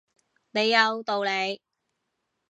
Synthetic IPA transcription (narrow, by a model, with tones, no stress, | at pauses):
ne˨˧jːɐ˨˧wt̪o˨˧wle˨˧j